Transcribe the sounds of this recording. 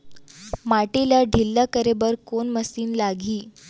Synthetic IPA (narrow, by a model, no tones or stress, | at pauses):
maʈilaɖʱilːakəɾebəɾkonməsiːnlaɡʱiː